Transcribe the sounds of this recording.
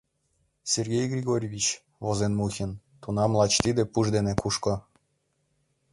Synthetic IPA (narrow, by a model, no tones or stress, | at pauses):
sʲerɣʲejɡrʲiɣoɾʲvʲit͡ɕ | βozenmuxʲən | t̪unɑmlˠɑt͡ɕt̪id̪ĕpuʒd̪enekuʃko